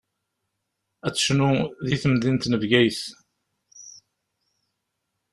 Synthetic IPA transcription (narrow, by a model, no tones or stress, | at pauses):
æt͡sːə̥ʃnuðiθəmðint̪nəvɡæjθ